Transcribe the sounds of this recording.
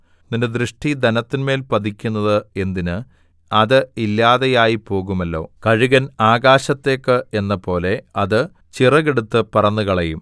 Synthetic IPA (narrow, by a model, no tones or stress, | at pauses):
ninded̪rɨʂʈid̪ɐnɐt̪ːinme̞ːlpɐd̪ikʲːunːɐðɨe̞nd̪inɨ | ɐðɨilːaːðejaːjipo̞ːɣumɐlːo̞̰ːkɐɻuɣɐnaːɡaːɕɐt̪ːe̞ːkːɨe̞nːɐpo̞ːle̞ɐðɨ | t͡ɕirɐɣeɽut̪ːɨpɐrɐnːuɣɐɭɐjum